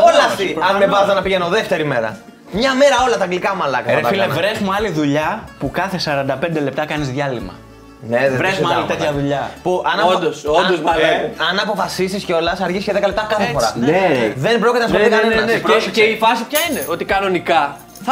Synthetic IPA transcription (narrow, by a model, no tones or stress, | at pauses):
olɐst̪iɐnmevɐzonɐpiʝenoðe̞ft̪e̞ɾime̞ɾɐ̰ | mɲɐme̞ɾɐo̞lɐt̪ɐɡlikɐmɐlɐkɐfievɾesmoɐliðuʎɐpukɐθe̞sɐɾɐnd̪ɐpe̞nd̪e̞le̞pt̪ɐkɐnizðʝɐlimɐ̰ | nvɾesmɐlit̪et̪çɐðuʎɐpuʔɐnɐod̪osoosɐlɐnɐːpo̞fɐsisisceo̞lɐsɐɾʝisceðekɐlept̪ɐkɐθefoɾɐneðe̞nbɾocit̪enɐsoðikɐnenɐeeifɐsipçɐineʔo̞t̪ikɐno̞nikɐ | ɐ